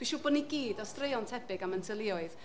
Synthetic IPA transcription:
b̥iʃuːboːdniɡiːdɔstrejɔntʰɛbɪɡaməntʰəlˠɪɔɨð

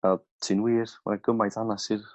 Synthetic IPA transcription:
ə | tʰinwiːrma̰naɡəmajdanasir

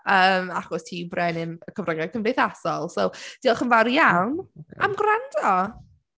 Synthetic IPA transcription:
əːmaχɔstʰiːbrɛnɪməkʰəvrəŋɛkʰənveθasɔlˠsowd̥iːlˠχənvaɾjawnʔa̰mɡrandɔ

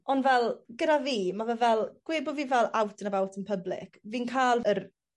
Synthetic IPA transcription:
ɔnvɛlˠɡədaviːmavɛvɛlˠɡ̥weːbɔviːvɛlˠawtʰənavawtʰənpʰəblɪ̰kʰviːnkʰaːlˠər

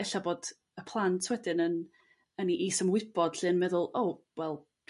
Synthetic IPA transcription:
ɛɬaboːd̥ | əpʰlˠantʰwɛdɪnən | əniʔiːsəmwɪb̥ɔd̥ɬɨnmɛðʊlˠʔowwɛlˠ

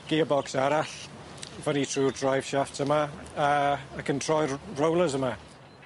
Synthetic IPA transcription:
ɡ̥iːəbɔksaɾaɬ | vənitʰruːrdrajv̥ʃaftʰəmaəakʰəntʰr̥ɔjrowlˠəzəma

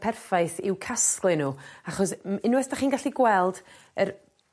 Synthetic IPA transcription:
pʰɛrfajθɪwkʰasklˠɪnuːaχɔsɪnwɛsd̥aχiːnɡaɬiɡwɛlˠd | ər

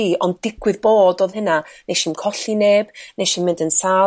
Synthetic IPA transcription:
iɔndɪɡwɨðboːdoːðhɪnanejʃiːmkʰɔɬineːbnejʃiːnmɪ̃ndənsa

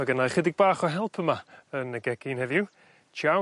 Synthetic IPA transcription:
aɡənajχədɪɡ̚baːχɔɦɛlˠpʰəmaənəɡɛkʰɪnhɛvju | t͡ʃʰa

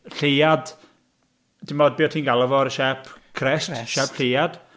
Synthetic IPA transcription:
ɬejad̥ | d̥ɪmɔd̚biːɔtʰiːnɡalˠəvɔɾʃɛpʰkʰrɛsʃɛpʰɬejad̥

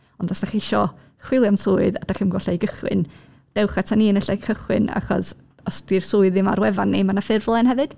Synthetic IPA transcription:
ɔndɔsnaχɪʃɔ | χwɪlˠjamsʊːɨðad̥aχəmɡwɔɬajɡəχwɨ̰n | d̥ɛwχatʰaniənəɬajkʰəχwɪna̰χɔ̰s | ɔsd̥irsʊːɨðɪma̰ɾwɛvanːimanafɪrvlˠɛnhɛvɨd̥

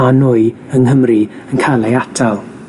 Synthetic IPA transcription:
anuːɨ | əŋɦəmri | ənkʰalˠejatʰalˠ

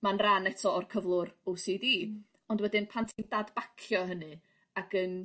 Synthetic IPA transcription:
manranɛtʰɔɔrkʰəvlˠʊɾowsidiː | ɔndwɛdɨnpʰantʰindadb̥akʰjɔɦənɨ | aɡən

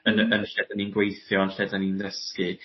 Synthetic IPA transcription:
ənənʃɛdaninɡwejθjɔnʃɛdaninðəskɨ

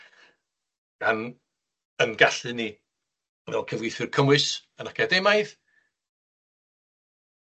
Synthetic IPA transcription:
an | ənɡaɬɨni | vɛ̰lˠkʰəvwijθɨrkʰəmwɨsənakʰadejmajð

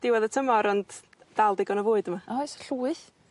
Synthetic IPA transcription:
d̥ɪwaðətʰəmɔɾɔnd | d̥alˠdɪɡɔnɔvʊːɨdəmaɔjsɬuːɨθ

